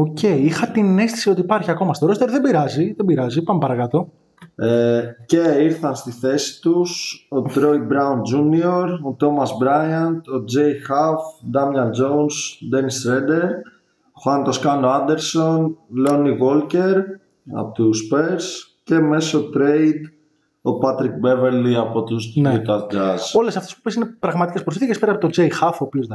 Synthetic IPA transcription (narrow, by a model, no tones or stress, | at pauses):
oce̞iixɐt̪ine̞st̪isio̞t̪iːpɐɾçiɐko̞mɐst̪o̞ɾo̞st̪eɾðe̞biɾɐziðebiɾɐzipɐmepɐɾɐkɐt̪o̞ | ece̞iɾθɐnst̪iθe̞si̥t̪uso̞t̪ɾo̞j̚bɾɐund͡ʒunioɾot̪o̞mɐzbɾɐjɐnt̪o̞d͡ze̞jxafd̪ɐmlɐnd͡ʒo̞unsd̪enist̪ɾed̪e̞ɾ | xɐnt̪o̞skɐnoɐnd̪e̞ɾso̞nlo̞niɣolce̞ɾ | ɐ̰pot̪uspe̞ɾsce̞me̞sot̪ɾejd̪ | o̞pɐt̪ɾik̚be̞veɾliɐpo̞t̪ust̪iut̪ɐzd͡ʒɐzo̞le̞sɐft̪espu̥pesinepɾɐɣmɐt̪icespɾofiθicespeɾɐːpot̪od͡ʒejxɐfoːpio̞zðɐ